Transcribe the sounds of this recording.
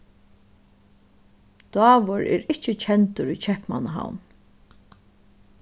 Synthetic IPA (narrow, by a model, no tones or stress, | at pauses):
d̪̥wɑːʋʊɾɛ̰ɾɪht͡ʃət͡ʃʰɛnt̪ʊɾit͡ʃʰɛhpma̰naɦa̰wn